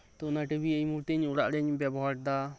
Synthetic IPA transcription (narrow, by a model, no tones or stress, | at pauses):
t̪ɔunaʈibiəjmuɾt̪iɲuɽaʔɾɛɲbɛbɔɦaʈ̚d̪a